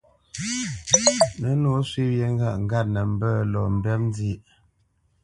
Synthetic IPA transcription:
nə˨˦no˨˦swi˦wjɛ˨ŋ˦ɡa˦˨ʔŋ˦ɡa˦˨t̚nə˨m̩˦bə˦lɔ˨m̩˨bɛ˦mn˦di˦ʔ

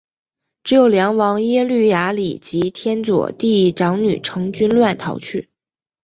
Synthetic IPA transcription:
ʈ͡ʂɻ̩˧˥jo˨˩ʊljɑ˧˥ŋwɑ˧˥ŋjɛ˥ly˥˩ja˧˥lḭ˨˩t͡ɕi˧˥t̪ʰjɛ˥nt͡swɔ̰˨˩t̪i˥˩˥ʈ͡ʂɑ˧˥ŋny̰˨˩ʈ͡ʂʰɤ˧˥ŋt͡ɕy˥nlwa˥˩nt̪ʰɑ̰˧˥ʊt͡ɕʰy˥˩

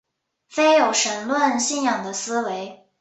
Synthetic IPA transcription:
fe˥ɪjo˨˩ʊʂə˧˩nlwə˥˧nɕi˥˩njɑ˨˩ŋd̪ə˦sɹ̩˥we˧˥ɪ

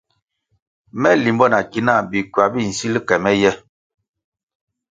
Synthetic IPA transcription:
mɛ˦li˨mbɔ˦na˨ki˦na˦˨bi˨kɥa˨bi˦˨n̩˨si˦li˦kɛ˨mɛ˦jɛ˦

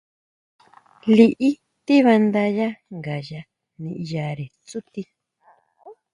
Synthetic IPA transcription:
li˧ʔi˦ | t̪i˦βa˧nd̪a˧ja˦ŋɡa˨ja˧ | nĩ˧ʔja˨ɾe˨t͡su˦t̪i˧

